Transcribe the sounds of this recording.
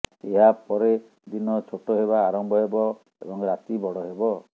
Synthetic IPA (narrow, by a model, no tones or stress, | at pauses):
eɦapɔɾe | d̪inɔt͡ʃʰoʈoɦeβaːɾɔmbʱɔɦebɔ | ebɔŋɾat̪ibɔɽɔɦebɔ